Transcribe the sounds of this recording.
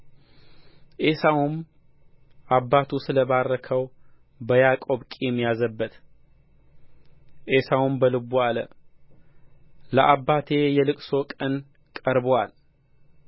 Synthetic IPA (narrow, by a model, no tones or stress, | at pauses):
ʔesawum | ʔabːat̪ʰusɨləβarːəkʰəw | bəjakʼo̞βkʼijɛmːijazəbːət̪ | ʔesawumbəlɨbualə̰ | ləʔabːat̪ʰe̞jɛlɨkʼso̞kʼən | kʼəɾbwal